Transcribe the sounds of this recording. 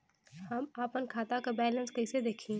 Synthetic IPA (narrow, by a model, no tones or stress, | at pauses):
hɐmaːpənkʰaːt̪akabɛːlə̃nskɐɪsed̪eːkʰĩː